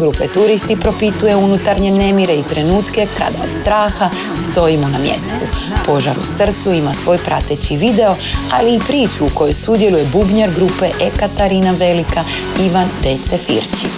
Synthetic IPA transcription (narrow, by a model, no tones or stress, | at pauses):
ɡɾupet̪uɾist̪ipɾo̞pit̪uje̞unut̪aɾɲe̞ne̞miɾe̞it̪ɾe̞nuːt̪ke̞kʰa̰d̪a̰o̰d̪st̪ɾaːxa | st̪o̞imo̞namje̞̰st̪u | po̞ʒa̰ɾṵsr̩t̪suimasʋo̞ːjpɾa̰t̪et͡ɕiʋid̪e̞o̞ | aliːpɾiːt͡ɕuːko̞jojsud̪je̞luje̞bubɲeɾɡɾupe̞ʔekat̪aɾinaʋe̞lika | iʋand̪e̞t̪sefḭɾt͡ɕḭ